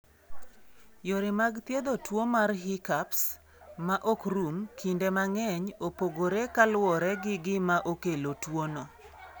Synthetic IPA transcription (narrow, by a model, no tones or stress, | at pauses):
joɾɪmaɡt̪jed̪otwomarɦɪkaps | maʔokɾumkʰindemaŋɛɲopoɡoɾekalwɔɾɛɡɪɡɪmaʔokelotwonɔ